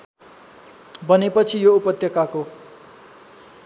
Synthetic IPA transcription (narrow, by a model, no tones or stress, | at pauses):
bʌnepʌt͡sʰijoupʌt̪jʌkako